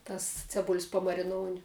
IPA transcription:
ˈtɐs t͡sʲɛˈbʊlʲsʲ pɐmɐrʲɪˈnoːʊnʲɪ

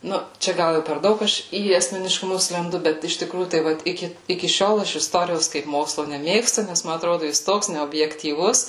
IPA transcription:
ˈnʊ ˈt͡ʃʲɛ ˈɡɐlˠ ˈjɛʊ pʲɛr ˈdɐʊk ˈɐʃ iː ɐsʲmʲɛnʲɪʃkʊˈmʊs lʲɛnˈdʊ ˈbʲɛt ɪʃ tʲɪˈkruːjuː tɐɪ ˈʋɐt ˈɪkʲɪ ɪkʲɪ ˈʃʲoːlˠ ˈɐʃ ɪsˈtoːrʲɪjoːs kɐɪp ˈmoːkslˠoː nʲɛˈmʲeːkstʊ ˈnʲɛs ˈmɐ ɐtˈroːdʊ jɪs ˈtoːks nʲɛoːbʲjɛktʲiːˈʋʊs

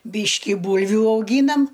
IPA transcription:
ˈbʲiːʃʲkʲɪ ˈbuːlʲʋʲʊ ɐʊˈɡʲiːnɐm

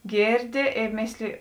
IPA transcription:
ˈɡʲeːrʲˌdʲɪ eː ˈmʲeːsʲlʲɪjɪ

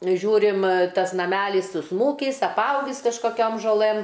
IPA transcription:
ˈʒʲuːrʲɪm ˈtɐs nɐˈmʲælʲiːs sʊsˈmuːkʲiːs ɐpˈɐʊɡʲiːs kɐʃkoːˈkʲoːm ʒoːˈlˠɘm

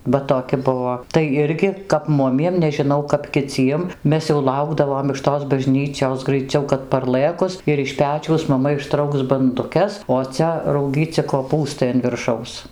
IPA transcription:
ˈʋɐ toːˈkʲɪ ˈbʊʋoː ˈtɐɪ ˈɪrʲɡʲɪ kɐp ˈmʊmʲiɛm nʲɛʒʲɪˈnɐʊ kɐp kʲɪˈt͡sʲiɛm ˈmʲɛs jɛʊ ˈlˠɐʊɡdɐʋoːm ɪʃ toːs bɐˈʒʲnʲiːt͡ʃʲoːs ɡrɐɪˈt͡sʲɛʊ kɐt pɐrˈlˠɘkʊs ɪr ɪʃ ˈpʲæːt͡ʃʲɛʊs mɐˈmɐ ɪʃˈtrɐʊks bɐndʊˈkʲɛs oː ˈt͡sʲɛ rɐʊˈɡʲiːt͡sʲɪ koːˈpuːstɐɪ ɐn ʋʲɪrˈʃɐʊs

